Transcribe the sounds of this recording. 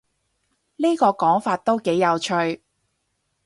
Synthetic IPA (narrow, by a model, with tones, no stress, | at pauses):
niː˥kɔː˧kɔː˨˥ŋfaː˧t̚t̪o˥wke˨˥jːɐ˨˧wt͡ʃʰɵ˧ɥ